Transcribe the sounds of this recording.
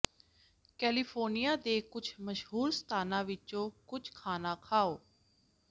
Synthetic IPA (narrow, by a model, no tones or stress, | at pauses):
kɛːliːpʰoːɾnijaːd̪eːkʊt͡ʃʰməʃɦuːɾsə̥t̪ʰaːnãːʋɪt͡ʃõːkʊt͡ʃʰkʰaːnãːkʰaːoː